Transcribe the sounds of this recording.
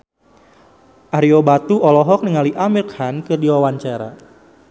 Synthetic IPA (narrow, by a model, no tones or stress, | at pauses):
ʔaɾiobat̪uʔɔlɔɦɔk̚niŋaliʔamilkhankɨrdiwawaɲt͡ʃaɾa̰